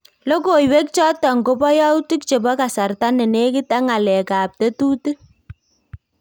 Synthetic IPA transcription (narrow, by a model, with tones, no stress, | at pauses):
lɔ˦ko˨jwe˦k̚t͡ʃɔ˦tɔ˨ŋɡo˦bɔ˦ja˦wtu˦k̚t͡ʃe˨bɔ˦ka˨sa˨rta˦nɛ˨ne˦kɪ˦ta˦ŋa˨lɛ˨ka˨p̚tɛ˦tu˦tɨ˦